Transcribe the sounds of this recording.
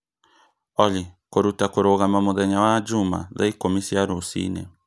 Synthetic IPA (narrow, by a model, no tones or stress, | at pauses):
ɔlikoɾutakoɾoɣamamoðɛɲawad͡ʒuma̰ða̰ikomisiaɾosḭnɛ̰